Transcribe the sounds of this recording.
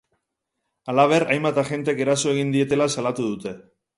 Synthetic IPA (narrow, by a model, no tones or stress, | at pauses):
alaβ̞e̞ɾajmbat̪aʝe̞nt̪eke̞ɾaso̞e̞ɣind̪ie̞t̪e̞lasalat̪uðut̪e̞